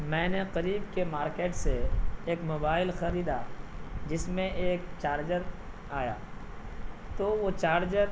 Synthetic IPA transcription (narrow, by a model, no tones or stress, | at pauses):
mɛ̃ːneqɐɾiːbkemaːɾkeːʈseeːkmoːbaːɪlxɐɾiːd̪ad͡ʒɪsmẽʔeːkt͡ʃaːɾd͡ʒəɾ | aːja̰ː | t̪oʋot͡ʃaːɾd͡ʒəɾ